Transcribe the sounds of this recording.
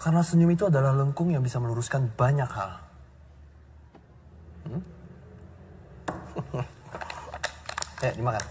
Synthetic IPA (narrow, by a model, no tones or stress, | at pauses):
kaɾənasəɲʊmit̪uadalahləŋkʊŋjaŋbisaməluɾuskanbaɲakhal | jadimakan